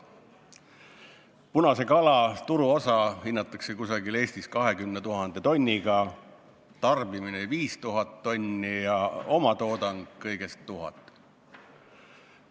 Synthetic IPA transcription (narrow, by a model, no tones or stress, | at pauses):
punɑse̞kɑlɑt̪uɾuo̞sɑhinːɑt̪ːˑɑkse̞kusɑɡile̞ːsʲt̪iskɑɦe̞kymnet̪uɦɑnd̪̥e̞t̪o̞nʲːiɡ̥ɑ | t̪ɑrbimineviːst̪uɦɑt̪ːo̞nʲːijɑo̞mɑt̪o̞ːd̪ɑŋɡ̥kɤjɡ̥e̞st̪ːuɦɑ̰t̪ːˑ